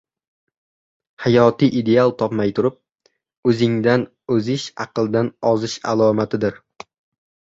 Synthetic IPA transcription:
hajɒt̪ʰiʔid̪e̞alˠt̪ʰɒpmajt̪ʰʊɾɪp̚ | ɵzɪŋd̪an | ɵzɪʃɑqɨlˠd̪anɒzɪʃa̰lˠɒmat̪ʰɪd̪ɪɾ

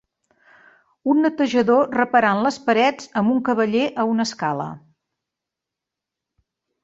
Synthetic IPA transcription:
unːət̪əʒəðorəpəɾanləspəɾɛd͡zəmbuŋkəβəʎeʔəunəskalə̰

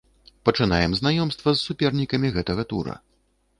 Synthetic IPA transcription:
pɐt͡ʂɨnajɛmznajɔmst̪vɐzːupʲɛrnʲikɐmʲiɣɛt̪ɐɣɐt̪ṵɾɐ̰

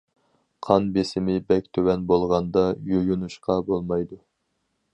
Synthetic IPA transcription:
qʰɑnbesɪmɪbɛk̚ʲt̪ʰøwɛnbolˠʁɑnd̪ɑjojunuʃqɑbolˠmɑjd̪u

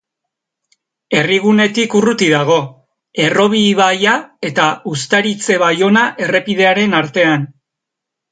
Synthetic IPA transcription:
e̞riɣ̞une̞t̪ikurut̪iðaɣ̞o̞ | e̞ro̞β̞iβajae̞t̪aust̪aɾit͡se̞βajo̞naʔe̞re̞piðe̞aɾe̞naɾt̪e̞an

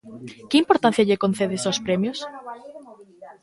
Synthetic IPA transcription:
keimpoɾt̪an̟θjaʎekon̟θeðesospɾemjos

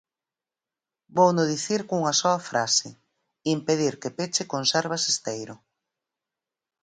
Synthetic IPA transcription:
bownʊðiθiɾkuŋɐsɔɐfɾʔasɪ | impeð̞iɾkepet͡ʃɪkonsɛɾβ̞asest̪ejɾʊ

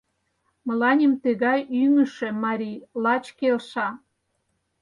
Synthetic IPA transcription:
mə̆lɑnʲemt̪əɣɑjyŋəʃĕmɑɾʲilɑt͡ɕkelʃɑ

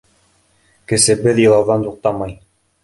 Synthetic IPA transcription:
kɘ̆sɘbɘðjɤ̆lˠɑwðɑnt̪uq̚t̪ɑmɑj

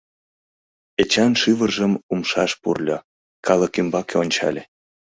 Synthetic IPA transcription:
et͡ɕɑnʃyβərʒəmumʃɑʃpṵrlʲo | kɑləkymbɑkeonʲt͡ɕɑ̰lʲe

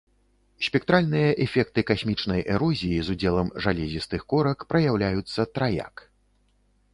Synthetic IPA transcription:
sʲpʲɛk̚t̪ɾalʲnɨjɐʔɛfʲɛkt̪ɨkasʲmʲit͡ʂnɐjʔɛɾɔzʲijizud͡zʲɛlˠɐmʐalʲɛzʲist̪ɨxkɔɾɐkpɾɐjawlʲajut̪sːɐt̪ɾaja̰k

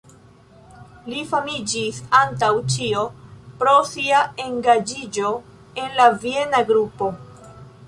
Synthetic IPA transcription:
lifamid͡ʒisantawt͡ʃio̞pɾo̞siae̞ŋɡad͡ʒid͡ʒo̞ | e̞nlavie̞naɡɾupo̞

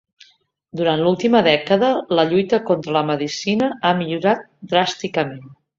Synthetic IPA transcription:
d̪uɾant̪lulˠt̪iməðɛkəðələʎujt̪əkont̪ɾələməðisinəamiʎuɾat̪̚d̪ɾast̪ikəmen

